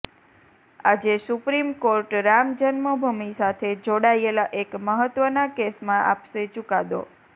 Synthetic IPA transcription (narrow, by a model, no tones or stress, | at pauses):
ad͡ʒesupɾimkoɾʈɾamd͡ʒənməbʱumisat̪ʰed͡ʒoɽajelaʔekməɦət̪ːʋənakesmãʔapʃet͡ʃukad̪o̰